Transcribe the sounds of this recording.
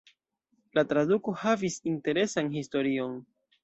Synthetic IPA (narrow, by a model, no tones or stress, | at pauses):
latɾaduko̞havisinte̞ɾe̞sanhisto̞ɾio̞n